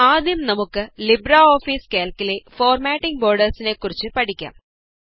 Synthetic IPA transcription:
aːd̪jɐmnɐmukːɨlibɾaoːfiːskaːlkːilefoːrmaːʈːiŋɡbo̞ːrɖɐrsinekːurit͡ɕːɨpɐʈikʲːa̰ːm

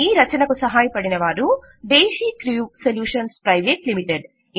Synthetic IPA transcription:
iːɾɐt͡ʃɐnɐkusɐɦaːjɐpɐɽinɐʋaːɾu | ɖeːʃiːkɾijuseljuːʂɐnspɾɐjʋeːʈlimiʈeɖ

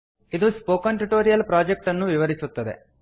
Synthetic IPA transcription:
id̪uspoːkɐɳʈuʈoːɾijɐlpɾaːd͡ʒek̚ʈɐnːuʋiʋɐɾisut̪ːɐd̪ḛ

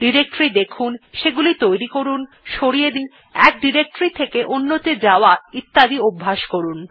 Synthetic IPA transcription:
ɖiɾek̚ʈɾid̪ekʰunʃeɡulit̪ojɾikoɾun | ʃoɽijed̪in | ɛk̚ɖiɾek̚ʈɾit̪ʰekeʔonːot̪ed͡ʑaoait̪ːad̪iobʱːaʃkoɾun

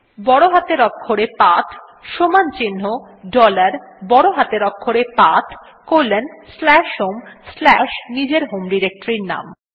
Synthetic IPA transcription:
bɔɽoɦat̪eɾɔkʰːoɾepat̪ʰ | ʃomant͡ɕinːo | ɖɔlaɾbɔɽoɦat̪eɾɔkʰːoɾepat̪ʰ | koɾlːenslɛʃɦomslɛʃnid͡ʑeɾɦomɖiɾek̚ʈɾiɾna̰m

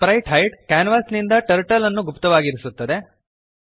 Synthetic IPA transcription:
pɾɐjʈɦɐjʈkaːnʋaːsnind̪ɐʈɐɾʈɐlɐnːuɡupt̪ɐʋaːɡiɾisut̪ːɐd̪e̞

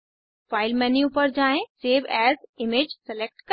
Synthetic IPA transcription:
faːɪlmɛːnjupɐɾd͡ʒaːẽseːʋɛːzɪmeːd͡ʒsɛlek̚ʈkə

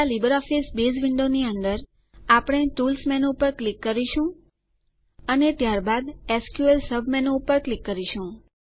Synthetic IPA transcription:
alibəɾɔfisbed͡ʒʋɪɳɖoniənd̪əɾ | apɽ̃eʈulsmɛnoːpəɾklikːəɾiʃũ | ənet̪jaɾbad̪ɛskjuelsəbʱmɛnoːpəɾklikːəɾiʃũ

